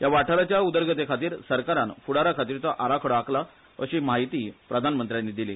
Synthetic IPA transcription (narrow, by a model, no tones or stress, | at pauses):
jaʋaʈʰaɾat͡ɕjaud̪əɾɡʱət̪ekʰat̪iːɾsəɾkaɾanfuɽaɾakʰat̪iːɾt͡səʔaɾakʰəɽakla | əɕiːmaɦit̪iːpɾəd̪ʱanmənt̪ɾjanːid̪ilḭ